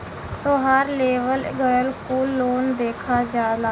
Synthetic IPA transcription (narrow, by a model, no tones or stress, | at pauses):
t̪oːɦəɾleːʋəlɡəjəlkoːloːnd̪eːkʰaːd͡ʒaːd̪aː